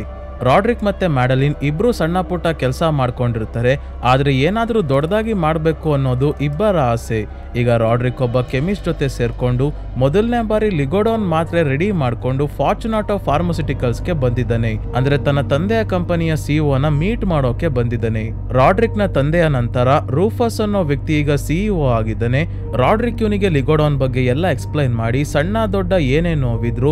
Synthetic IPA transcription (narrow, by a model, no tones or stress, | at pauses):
ɾaːɖɾikmɐt̪ːe̞maːɖɐlinibːɾusɐɳːapuʈɐkɛlsɐmaːɖko̞ɳɖiɾt̪aːɾe̞ | aːd̪ɐɾe̞eːnaːd̪ɐɾud̪ɔɽɐd̪aːɡimaːɽbe̞ːkuɐnːo̞ːd̪uʔibːɐɾaɦse | iːɡɐɾaːɖɾikɔbːɐkemisd͡ʒɔt̪e̞se̞ːɾko̞ɳɖu | mɔd̪ɐlneɐbaːɾiliɡoɽoːnmaːt̪ɾeɾeɽimaːɖko̞ɳɖupʰaːɾt͡ʃunaːʈoːpʰaːɾmɐs̬iʈikɐlske̞bɐnd̪id̪ːɐneɐ̰nd̪ɐɾe̞t̪ɐnːɐt̪ɐnd̪ɛjɐkɐmpɐnijɐsiːoːɐnːɐmiːʈmaːɽoːkːe̞bɐnd̪id̪ːɐne̞ | ɾaːɖɾiknɐt̪ɐnd̪ɛjɐnɐnt̪ɐɾɐɾuːpʰɐsɐnːoːʋjɐk̚t̪iːɡɐsioaːɡid̪ːɐne̞ | ɾaːɖɾikjuːniɡe̞liɡoɽoːnbɐɡːe̞ɛlːɐeksplɐjnmaːɽisɐɳːaːd̪ɔɖːɐeːneːnːoːʋid̪ɾu